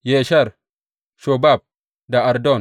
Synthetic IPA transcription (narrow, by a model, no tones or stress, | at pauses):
jeʃɐɾ | ʃobaːb̚ | d̪aɐɾd̪ɔn